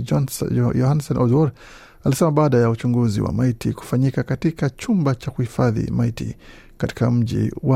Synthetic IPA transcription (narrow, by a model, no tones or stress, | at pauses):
jɔhansɔnʔɔzwɔɾ | alisɛmaɓaːɗajaut͡ʃuŋɡuzḭwa̰maitiku̥faɲikakatikat͡ʃumbat͡ʃakuhifaðḭmaitḭ | kati̥kam̩ʄḭwa